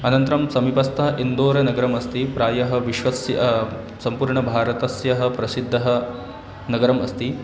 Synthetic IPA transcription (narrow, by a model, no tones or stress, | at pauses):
ɐnɐnt̪ɾɐmsɐmipɐst̪ʰɐʔind̪oːɾɐnɐɡɐɾɐmɐst̪ipɾaːjɐɦɐ̆ʋiʃʋɐsjɐ | sɐmpuːɾɳɐbʱaːɾɐt̪ɐsjɐɦɐ̆pɾɐsid̪ʱːɐɦɐ | nɐɡɐɾɐmɐ̰st̪i